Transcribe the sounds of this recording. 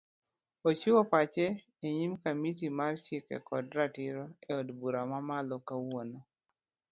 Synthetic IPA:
ot͡ʃiwɔpat͡ʃɛ | eɲimkamit̬imart͡ʃɪkɛ̰kɔdɾatɪɾɔɛɔdbuɾamamalɔkawono

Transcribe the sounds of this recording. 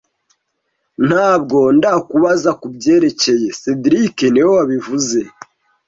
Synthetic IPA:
n̥haːbɡo̞ndakuβazakubɟe̞ːɾe̞ce̞je̞sediɾikenewowaβivuze̞

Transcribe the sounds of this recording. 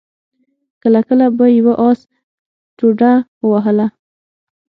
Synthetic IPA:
kəlakəlabajawaʔɑs | tuɖawaɦəla

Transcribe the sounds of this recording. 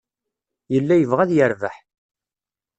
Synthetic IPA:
jəlːæjəvʁæðjəɾvəħ

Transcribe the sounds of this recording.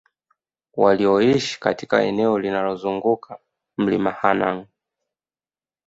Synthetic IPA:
waliɔiʃi̥katika̰ɛnɛɔlinalɔzuŋɡukʰa | m̩limahanaŋ

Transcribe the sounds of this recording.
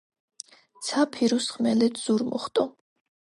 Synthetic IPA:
t̪sʰapʰiɾusχmɛlɛt̪ʰz̥uɾmɔ̰χt̪ʼɔ

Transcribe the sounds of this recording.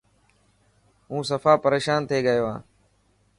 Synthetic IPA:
ɦũːsəfaːpəɾeːʃaːnt̪ʰeːɠəjoːã̰ː

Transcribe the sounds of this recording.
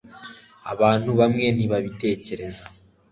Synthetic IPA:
a̰βaːn̥huβamŋe̞n̥iβaβite̞ːce̞ɾe̞za

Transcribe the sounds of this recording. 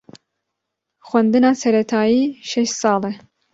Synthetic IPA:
xwɛnd̪ɨnɑːsɛɾɛt̪ʰɑːjiːʃɛʃsɑːlɛ

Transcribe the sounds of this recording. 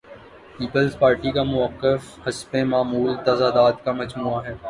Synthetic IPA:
piːpəlzpaːɾʈikamʊəqːəfhɐspẽmaːmuːlt̪ɐzad̪aːt̪kamɐd͡ʒmuaɦɛː

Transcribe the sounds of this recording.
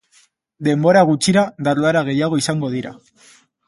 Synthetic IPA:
d̪e̞mbo̞ɾaɣut͡ʃiɾad̪aloaɾaɣ̞e̞jaɣ̞o̞isaŋɡo̞ðiɾa̰

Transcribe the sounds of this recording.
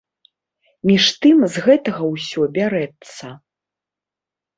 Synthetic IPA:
mʲiʂt̪ɨmzɣɛt̪ɐɣɐwsʲɔbʲaɾɛt̪sːɐ

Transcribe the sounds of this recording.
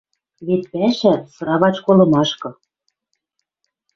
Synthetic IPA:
βet̪̚pæʃæ̆sɤ̆ɾɑβɑt͡ɕkolɤ̆mɑʃkɤ̆

